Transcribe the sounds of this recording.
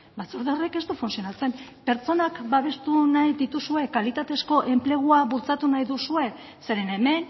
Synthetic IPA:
bat͡suɾðeoreke̞st̪ufunsio̞nat͡se̞mpe̞ɾt͡so̞nakbaβ̞e̞st̪unajd̪it̪usue̞kalit̪at̪e̞sko̞ʔe̞mple̞ɣ̞uaβult͡sat̪unajðusue̞ | se̞ɾe̞ne̞me̞n

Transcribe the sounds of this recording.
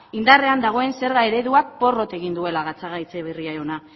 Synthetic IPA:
ind̪are̞and̪aɣ̞o̞e̞nse̞ɾɣae̞ɾe̞ðuak̚po̞ro̞t̪e̞ɣind̪ue̞laɣat͡saɣajt͡seβiriaona

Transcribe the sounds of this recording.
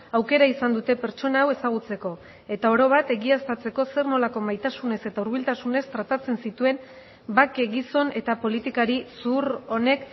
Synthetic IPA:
awke̞ɾaisand̪ut̪e̞pe̞ɾt͡ʃo̞naːwe̞saɣ̞ut͡se̞ko̞ | e̞t̪ao̞ɾo̞β̞at̪e̞ɣiast̪at͡se̞ko̞se̞rno̞lako̞majt̪asune̞se̞t̪auɾβilt̪asune̞st̪ɾat̪at͡se̞nsit̪ue̞n | bakeɣiso̞ne̞t̪apo̞lit̪ikaɾisuɾo̞ne̞k

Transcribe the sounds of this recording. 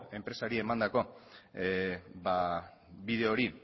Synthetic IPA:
e̞mpɾe̞saɾie̞mand̪ako̞ | ba | βið̞e̞o̞ɾi

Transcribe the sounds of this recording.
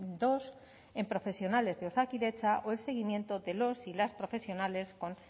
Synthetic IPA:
d̪o̞s | e̞mpɾo̞fe̞sjo̞nale̞zðeo̞sakiðe̞t͡ʃaʔoe̞lse̞ɣ̞imje̞nt̪o̞ðe̞lo̞silaspɾo̞fe̞sjo̞nale̞sko̞n

